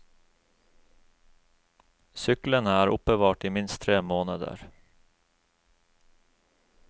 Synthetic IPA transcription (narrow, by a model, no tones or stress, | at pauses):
sʏklənəæːɾʊpəʋɑːʈiːmɪnst̪ʰɾeːmoːnəd̪ə̰ɾ